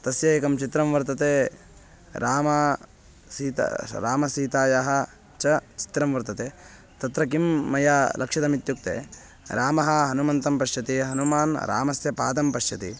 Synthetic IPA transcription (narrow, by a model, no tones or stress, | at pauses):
t̪ɐsjɐjekɐmt͡ʃit̪ɾɐmʋɐɾt̪ɐt̪eː | ɾʔaːmɐ | siːt̪ɾaːmɐsiːt̪aːjaɦɐ | t͡ʃɐt͡ʃi̥t̪ɾɐmʋɐɾt̪ɐt̪eː | t̪ɐt̪ɾɐkimːɐjaːlʔɐkʂɐd̪ɐmit̪juk̚t̪ḛː | ɾaːmɐɦɐ̆ɦɐnumɐnt̪ɐmpɐʃjɐt̪iɦɐnumaːnɾʔa̰ːmɐsjɐpaːd̪ɐmpɐʃjɐt̪ḭ